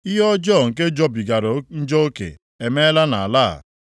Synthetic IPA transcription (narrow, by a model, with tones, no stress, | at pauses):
i˦ɦɔ˦d͡ʒɔ˦˨ŋ̩˨ke˦d͡ʒɔ˦bi˨ɡa˨ɾo˨˦n̩˦d͡ʒɔ˦o˦kḛ˨ | e˨me˦la˦na˨a˨laː˦˨